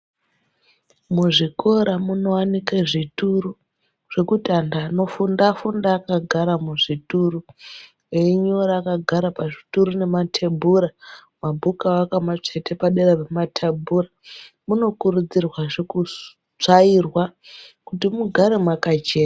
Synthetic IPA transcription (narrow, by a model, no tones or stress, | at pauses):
muʐiko̞ɾamuno̞wanikaʐituru | ʐ̥e̞kutandano̞fundafundaːkaɡʱaɾamuʐituru | eiɲoɾaːkaɡʱaɾapaʐituɾune̞matʰebʱuɾa | mabʱukawakamat͡ʂe̞te̞paɗeɾarematʰabʱura | muno̞kuɾud͡zirwaʐeku | t͡ʂairwakutimuɡʱaɾemwakat͡ʃe̞ːna